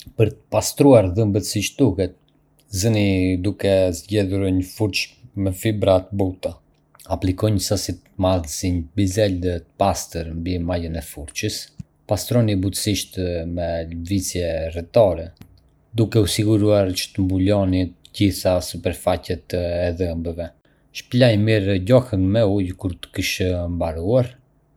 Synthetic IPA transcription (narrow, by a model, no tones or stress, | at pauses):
pəɾt̪ə̥past̪ɾuaɾðəmbət̪siʃt̪̚d̪uhɛt̪̚ | zənid̪ukɛzɟɛðuɾɲəfuɾt͡ʃmɛfibɾat̪əbut̪a | aplikɔɲəsasit̪maðsiɲəbizɛld̪ət̪əpast̪əɾmbimajənɛfuɾt͡ʃəs | past̪ɾɔnibut̪ə̥siʃt̪mɛlvit͡sjɛrɛt̪ɔɾɛ | d̪ukɛusiɡuɾuaɾt͡ʃə̥t̪əmbulɔnit̪əɟiθasəpəɾfacɛt̪əɛðɛmbəvɛ | ʃplajmiɾɟɔhənmɛujkuɾt̪ə̥kiʃəmbaɾuaɾ